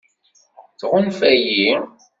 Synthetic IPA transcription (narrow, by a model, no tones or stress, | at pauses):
t͡sʁʊnfæji